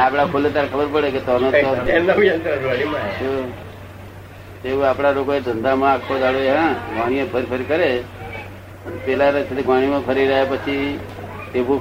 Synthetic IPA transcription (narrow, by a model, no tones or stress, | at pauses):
aːpɽ̃akʰolet̪aɾekʰəbəɾpəɽeket̪ɔnõt̪ɔnaʋjant̪ɾaaɽ̃imãt͡ʃʰo | t̪ebuaːpɽ̃aɾokoed̪ʱənd̪amãakʰːod̪aɽoeɦãɡʱaːɽ̃iẽpʰəɾpʰəɾikəɾe | npelaɾet͡ʃ̪ʰet̪eɡʱʋãːɽ̃imãpʰəɾiɾəɦepət͡ʃʰi | t̪ebũ